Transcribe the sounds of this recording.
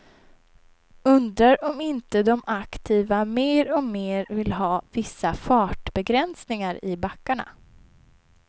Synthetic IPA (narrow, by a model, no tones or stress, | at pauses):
ɵnd̪ɾaɾɔmɪnt̪əd̪ɔmakt̪ʰiːvameːɾɔmeːɾvɪlɦɑːvɪsːafɑːʈbɛɡɾɛnsnɪŋaɾɪbakːaɳa̰